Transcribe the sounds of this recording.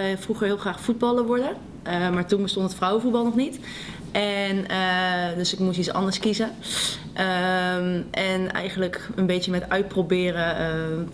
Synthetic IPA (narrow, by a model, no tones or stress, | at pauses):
fruχəɹɦɪːlˠχraːχfud̚bɑlˠəɹʋɔɹdə | əmaːɹtunbəstɔntətfrʌwəvud̚bɑlˠnɔχnit | ʔɛnədɵsɪkmustisɑ̰ndəɹskizə | ʔəmʔɛnɛ̰jχənləkənbejjəmɛtœɥt̚probɪːrəə